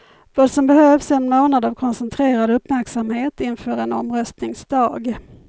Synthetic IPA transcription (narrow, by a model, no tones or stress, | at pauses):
vɑːd̪sɔmbɛhøːvsɛnmoːnad̪avkʰɔnsɛnt̪ʰɾeːɾad̪ɵpːmæɾksamheːt̪ɪnfœːɾɛnɔ̰mɾœst̪nɪŋsd̪ɑːɡ